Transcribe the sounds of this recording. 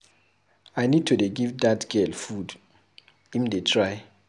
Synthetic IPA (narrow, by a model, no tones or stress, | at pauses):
ajnid̚tʰudeɡivdatɡ̥ɛlfud | imdetʰɹaj